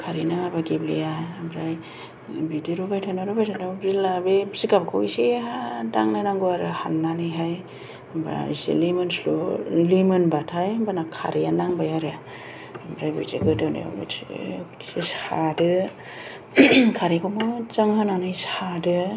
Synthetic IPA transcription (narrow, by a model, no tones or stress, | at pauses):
kʰaɾinaŋabaɡeblijaambɾaj | bidiɾubajtʰanaɾubajtʰanabzilabebziɡab̚kʰoiseadaŋnanaŋɡuaɾɯha̰nːanɯjɦaj | mbɾa̰sḛlimɯnslolimɯnbatʰajambanakʰa̰ɾijanaŋbajaɾea | ambɾajbḛzḛɡɯdɯnḛb̰ | seshadɯ | kʰaɾikomot͡ʃaŋhananɯjshadɯ